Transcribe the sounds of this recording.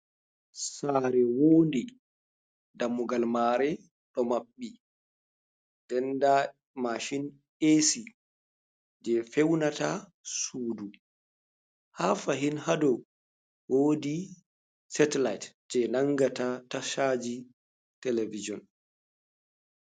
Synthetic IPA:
saːɾɛwoːndi | damːuɡalmaɾɛ | ɗɔmaɓːi | d̥ɛnda | maʃin | esi | d͡ʒɛfɛwnata | suːdu | hafaɦinhadɔ | woːdi | sɛtɛlajt | d͡ʒɛnaŋɡatataʃad͡ʒi | tɛlevid͡ʒɔn

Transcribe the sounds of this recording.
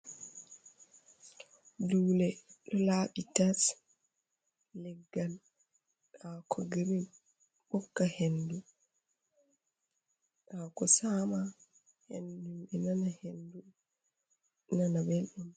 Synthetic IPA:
duːlɛɗɔlaːɓitas | lɛɡːal | ɗakʰɔɡeɾin | ɓɔkːahendu | ɗaːkɔsama | hḛndumɓɛnanahendu | nanabelɗum

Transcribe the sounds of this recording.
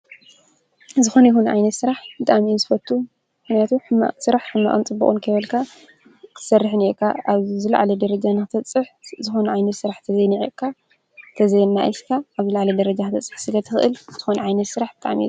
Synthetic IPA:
zɨxo̞njihunʕa̰jnɐt̪sɨɾaħbɨt̪ʼaʕminzɨfɐt̪ʰːu | mxnijat̪ʰuħsɨɾaħħɨmːa̰ʔʼɨnt͡sʼɨbːṵχʼɨnkʰɐjβɐlkʰa | kʰɨ̥sɐrːɨħɨneʔkʰːaʔaβzɨla̰ʕalɐd̪ɐɾɐd͡ʒanɨxɨt̪ʰɐt͡sʼɨħzɨxo̞nɐʕajnɐt̪sɨɾaħt̪ʰɐzejniʕeʔkʰːa | t̪ʰɐzɐjnːaʔiskʰaːβzɨlaʕalɐd̪ɐɾɐd͡ʒaxɨt̪ʰɐt͡sʼɨ̥ħsɨlɐt̪ʰɨxɨʔɨlzʰɨxonɐʕajnɐt̪sɨɾaħbɨt̪ʼa̰ʕmḭ

